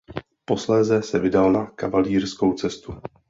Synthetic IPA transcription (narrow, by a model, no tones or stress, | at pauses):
po̞slɛːzɛsɛvɪdalnakavaliːrsko̞wt͡sɛst̪u